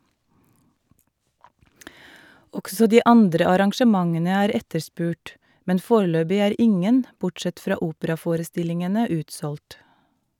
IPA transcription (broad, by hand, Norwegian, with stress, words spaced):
ˈɔɡsɔ ˈdiː ˈɑndɾə ɑɾɑŋʃəˈmɑŋənə ˈæːɾ ˈɛtəɾˌspʉːʈ ˈmɛn ˈfoːɾəˌløːbɪ ˈæːɾ ˈɪŋən ˈbʊʈˌsɛt ˈfɾɑː ˈuːpəɾɑˌfoːɾəˌstɪlɪŋənə ˈʉːtsɔlʈ